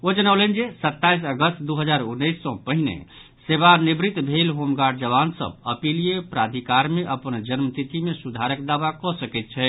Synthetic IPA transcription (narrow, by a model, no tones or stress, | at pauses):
od͡ʒənəwlɛnd͡ʒesət̪ːaijs̬əɡəst̪d̪uɦəd͡ʒaɾunːəjsːɔ̃pəɦinḛ | seβanibɾit̪bʱelɦomɡaɖ̚d͡ʒəβansə̰bəpilijepɾad̪ʱikaɾmeʔəpənd͡ʒənmt̪it̪imesud̪ʱaɾəkd̪aʋakɔsəkɛt̪̚t͡ʃʰɛ